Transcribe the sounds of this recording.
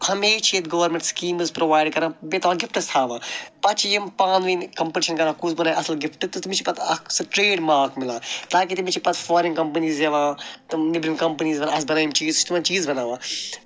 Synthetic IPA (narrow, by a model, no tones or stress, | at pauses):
hɐmeːt͡ʃʰiet̪ɡɐʋɐɾmẽɳʈskiːmzpɾoʋaːɪɖkɐɾãːbet̪ɐʋaɡɪfʈɐst̪ʰaːʋãːpɐt͡ʃʰjimpãːnʋinkɐmpəʈɪʃɐnkɐɾãːkusbɐnaːʔɐslɡɪfʈɨt̪t̪mit͡ʃʰi̥pɐt̪ʰɐksɐʈɾeːɖmaːɾkmɪlãːt̪aːk̬it̪imit͡ʃʰipɐt̪ʰfaːɾĩŋkɐmpɐniːzeʋãːt̪nɪbɾĩŋkɐmpɐniːzbɐnaɐsbɐnaːjimt͡ʃiːzt͡ʃʰt̪umaːnt͡ʃiːzbɐnaːʋaː